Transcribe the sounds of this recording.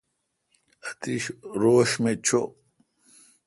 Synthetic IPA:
xt̪iɕɾoːɕmet͡ɕʰo

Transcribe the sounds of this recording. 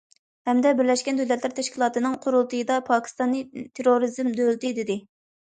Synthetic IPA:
hɛmd̪ɛbɪɾlɛʃkʲɛnd̪ølɛt̪læɾt̪ʰɛʃkʲilˠɑːt̪ɨnɨŋqʰʊɾulˠt̪ʰɨjɨd̪ɑpʰɑːkʲʰi̥st̪ɑnːɨt̪ʰeɾoɾizɪmd̪ølt̪ɪd̪ɪd̪ɪ

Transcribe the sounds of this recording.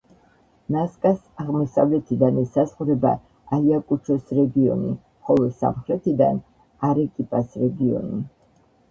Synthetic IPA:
naskʼas | aʁmɔsa̰vlɛt̪ʰid̪anɛsazχɾɛba̰ | aiakʼut͡ʃʰɔsɾɛɡiɔ̰nḭ | χɔlˠɔsa̰mχɾɛt̪ʰid̪a̰n | aɾɛkʼipʼasɾɛɡiɔ̰ni

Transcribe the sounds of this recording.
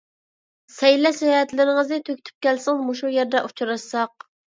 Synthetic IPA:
sɛjlɛʃjɑɛt̪lɪɾɪŋəzɪt̪ʰøkʲt̪ʰy̥p̚kʲɛlsɪŋmoʃujɛɾd̪ɛʔu̥t͡ʃʰɾɑʃsɑq̚

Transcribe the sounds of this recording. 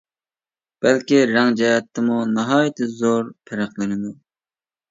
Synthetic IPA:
b̥ɛlkʲiɾɛŋd͡ʒɛjɛt̪ʰːɨmunɑɦɑːjt̪ʰɨzoɾpʰɪɾæqlˠɨnɪd̪u

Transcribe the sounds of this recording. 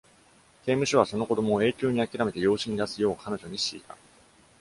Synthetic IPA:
k̪e̞ːmɯ̟ɕoβaso̞no̞ko̞d̪o̞mo̞ːe̞ːkʲo̞ːɲ̟iakʲiɾame̞t̪e̞jo̞ːɕiɲ̟id̪asɨjo̞ːkʰano̞ʑo̞ɲ̟iɕḭːt̪a

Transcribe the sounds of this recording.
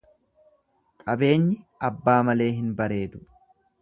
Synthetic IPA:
kʼɐbe̞ːɲːɪɐbːaːmɐle̞ːɦɪnbɐɾe̞ːd̪ʊ̥

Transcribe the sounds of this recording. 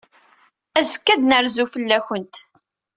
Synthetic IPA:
æzə̥kːæd̪nəɾzufəlːæçənt̪

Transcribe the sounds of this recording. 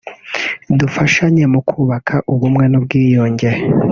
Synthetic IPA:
dufaʃaɲe̞mukʰuːβakʰaʔuβumŋe̞nubɡiːjo̞ːɲɟeɾe

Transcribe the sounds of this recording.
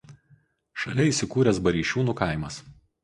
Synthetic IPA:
ʃɐlʲɛiːˑsʲɪkuːɾʲɛsbɐɾʲiːʃʲuːnuːkɐˑɪmɐs

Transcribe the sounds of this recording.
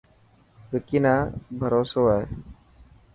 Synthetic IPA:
ʋɪkinaːbʱəɾoːsoːae

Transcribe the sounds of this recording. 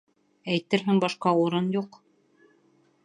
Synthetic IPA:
æjt̪ɘɾɦɘŋbɑʃqɑuɾɤnjuq

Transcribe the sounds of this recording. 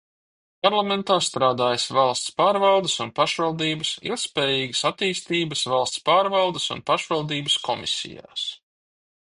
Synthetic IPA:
paɾlˠament̪aːst̪ɾaːd̪aːjəsvɑlˠst̪spaːɾvɑlˠd̪əsunpaʃvalˠd̪iːbəsḭlˠk̚t̪spɛːjiːɡəsat̪iːst̪iːbəsvalˠst̪spaːɾvɑlˠd̪əsṵnpaʃvalˠd̪iːbəskɔmḭsḭja̰ːs

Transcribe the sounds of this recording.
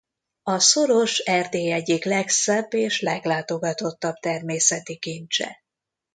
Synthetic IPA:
ɒso̞ɾo̞ʃɛrd̪eːjɛɟiklɛksɛbːeːʃlɛɡlaːt̪o̞ɡɒt̪o̞t̪ːɒb̚t̪ɛrmeːsɛt̪ikint͡ʃɛ̰

